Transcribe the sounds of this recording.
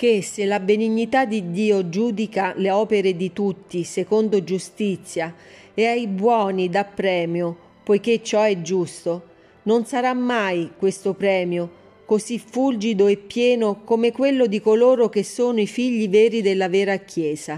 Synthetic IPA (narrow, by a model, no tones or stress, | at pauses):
k̟eselːabeniɲːit̪ad̪ːid̪ːiːod͡ʒuːd̪ikaleɔːpeɾed̪it̪ut̪ːisekond̪od͡ʒust̪it̪sːja | eajbwɔːnid̪apːɾɛːmjo | pojk̟et͡ʃːɔɛd͡ʒːust̪o | nonsaɾamːajkwest̪opɾɛːmjo | kosifuld͡ʒid̪oepːjɛːnokomekwelːod̪ikoloːɾok̟esːoːnoifiʎːiveːɾid̪elːavɛːɾak̟jɛːza